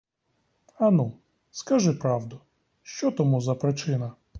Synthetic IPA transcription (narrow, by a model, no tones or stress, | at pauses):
ɐnu | skɐʒɪpɾɑwd̪ʊ | ʃt͡ʃɔt̪ɔmuzɐpɾɪt͡ʃɪnɐ